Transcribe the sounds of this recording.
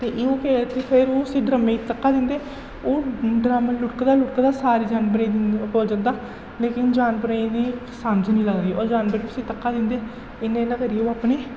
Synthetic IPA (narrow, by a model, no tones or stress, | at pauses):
t̪eːʔeːoːkeːt̪eːpʰeɾoːəsĩːɖɾəmeːt̪əkːaːd̪ɪnd̪eː | oːɖɾaːməlʊʈkd̪aːlʊʈkːd̪aːsaːɾiːd͡ʒaːnpəɾẽːpoːld͡ʒənd̪aː | leːkɪnd͡ʒaːnpəɾeĩd̪iː | saːmd͡ʒnĩːləɡd̪iːɔːɾd͡ʒaːnpəɾeːʊsĩːt̪əkːaːd̪ɪnd̪eː | ɪnːẽːnãːkəɾiːoːaːpneː